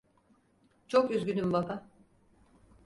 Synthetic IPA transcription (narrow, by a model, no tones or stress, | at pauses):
t͡ʃʰokyzɡʲynymbaba